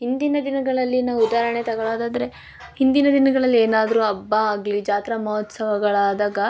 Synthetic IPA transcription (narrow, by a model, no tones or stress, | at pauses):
ɦind̪inɐd̪inɐɡɐɭɐlːinɐud̪aːɾɐɳet̪ɐɡɐɭaːd̪aːd̪ɐɾe̞ | hind̪inɐd̪inɐɡɐɭɐlːieːnaːd̪ɐɾuɐbːɐaːɡlid͡ʒaːt̪ɾɐmɐɦɔt̪sɐʋɐɡɐɭaːd̪aːɡɐ